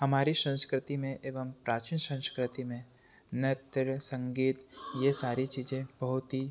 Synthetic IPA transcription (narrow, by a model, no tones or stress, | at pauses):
ɦɐmaːɾiʃə̃nskɾɪt̪imẽʔeːʋəmpɾaːt͡ʃinʃə̃nskɾɪt̪imẽ | net̪ɾsə̃ŋɡiːt̪jesaːɾit͡ʃiːd͡ʒẽb̥ɐɦʊt̪ɦi